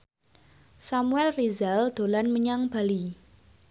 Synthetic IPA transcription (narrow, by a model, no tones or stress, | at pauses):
samuɛlrizald̪̥o̤lanməɲaŋb̥a̤li